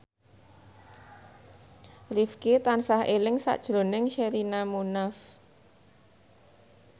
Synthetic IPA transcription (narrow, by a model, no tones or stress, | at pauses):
rifkit̪ansahʔelɪŋsa̰ʔd̥ʒ̥ɾo̤nɪŋʃeɾinamunaf